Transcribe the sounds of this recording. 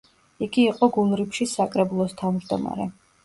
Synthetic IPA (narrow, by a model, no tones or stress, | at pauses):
iɡiːqʼɔɡulˠɾipʰʃisakʼɾɛbulˠɔst̪ʰavmd͡ʒd̪ɔma̰ɾɛ̰